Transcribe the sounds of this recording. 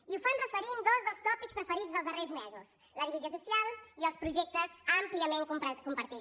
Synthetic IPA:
iufanrəfəɾind̪ɔzðəlˠst̪ɔpikspɾəfəɾizðəlˠzðərezmɛzus | ləðiβiziosusialˠiəlˠspɾuʒɛk̚t̪əzampliəmeŋkupkumpəɾt̪i

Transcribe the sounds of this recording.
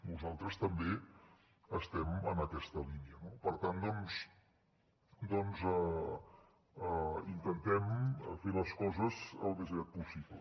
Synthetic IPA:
nuzalˠt̪ɾəst̪əmbe | əst̪ɛmənəkɛst̪əliniənopəɾt̪and̪ɔns | d̪ɔnzə | int̪ənt̪ɛmfeləskɔzəzə̰lˠd̪əzɣɾat̪̚pusiβlə̰

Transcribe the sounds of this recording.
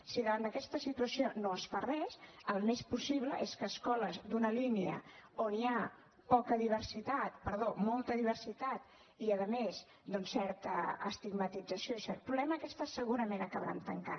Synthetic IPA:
siðəβand̪əkɛst̪əsit̪uəsionoəsfarɛʃəlˠmespusiβ̞ləʔeskəːskɔləzd̪unəliniə̰onia | pɔkəðiβ̞əɾsit̪at̪̚pəɾð̞omɔlˠt̪əðiβ̞əɾsit̪at̪ | iəðəmez | d̪ɔnsːɛɾt̪ə̰ːst̪iɡmət̪id͡zəsijosɛt̪̚pɾuβlɛməkɛst̪əsəɣuɾəmenəkəβɾa̰nt̪əŋka

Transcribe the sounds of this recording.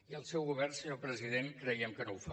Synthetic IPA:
iəlˠsɛwɣuβɛrnsəɲopɾəziðenkɾɛjəmkənowfa

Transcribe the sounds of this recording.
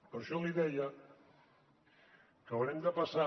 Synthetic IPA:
poɾʃɔliðɛja | kəβnemd̪apasa

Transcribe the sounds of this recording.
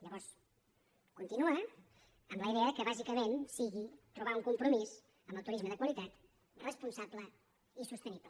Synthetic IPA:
ʎəβɔɾs | kunt̪inua | əmbləiðeəkəβazikəmensiɣit̪ɾuβ̞auŋkumpɾumiz | əmbət̪uɾizməðəkwəlit̪at̪ | rəspunsablə | isust̪əniblə

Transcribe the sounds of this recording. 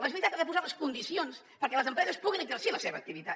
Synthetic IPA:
ezβɾit̪at̪əðɛp̬uzaləskund̪isions | pəɾkɛləzəmpɾɛzəspuɣinəɡzəɾsiləseβə̰k̚t̪iβit̪a

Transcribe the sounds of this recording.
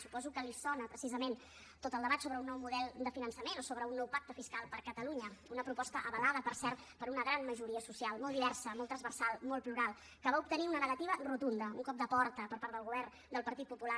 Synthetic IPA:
supɔzukəlisɔnəpɾəsizəmen | t̪ot̪əlˠd̪əβat̪soβɾəunːɔwmuðɛlˠd̪əfinənsəmenosoβɾəunːɔwpak̚t̪əfiskalˠpəɾkət̪əluɲəunəpɾupɔst̪əʔəβəlaðəpəɾsɛrt̪ | pəɾunəɣɾanməʒuɾiəsusialˠmɔlˠd̪iβɛrsəmɔlˠt̪ɾəzβərsalˠmɔlˠpluɾalˠ | kəβaup̚t̪əniunənəɣət̪iβərut̪und̪əṵŋkɔp̚d̪əpɔɾt̪əpəɾpaɾəlˠɣuβɛrn | d̪əlˠpəɾt̪it̪̚pupula

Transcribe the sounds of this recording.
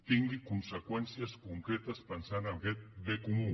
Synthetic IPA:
t̪iŋɡɪkunsekwensjaskoŋkɾet̪aspansanamɣet̪̚bekumu

